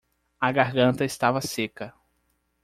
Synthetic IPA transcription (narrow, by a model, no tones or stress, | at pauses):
ɐɡaɾɡɐ̃nt̪ɐɪst̪avɐsekɐ